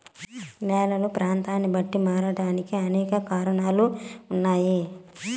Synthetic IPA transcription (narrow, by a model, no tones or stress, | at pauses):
mɛːlɐlupɾaːnt̪aːnːibɐʈːimaːɾɐɽaːnikiɐnɛːkɐkaːɾɐɳaːluːnːaːji